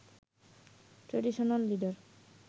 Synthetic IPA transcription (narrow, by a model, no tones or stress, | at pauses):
ʈɾeɖiʃonalːiɖaɾ